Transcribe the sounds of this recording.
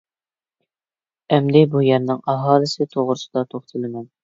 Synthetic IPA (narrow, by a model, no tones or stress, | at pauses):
ɛmd̪ɪbujæɾnɪŋɑɦɑːlˠɨsɪt̪ʰoʁɾɨsɨd̪ɑt̪ʰoχt̪ʰɨlˠɪmɛn